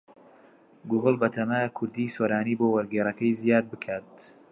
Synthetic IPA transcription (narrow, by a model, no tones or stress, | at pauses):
ɡuɣɨlˠbɐt̪ʰɐmakʰʊɾd̪iːsoːɾaːniːbowɐɾɡeːɾɐkɐjzijaːd̪̚bɨkʰaːt̪̚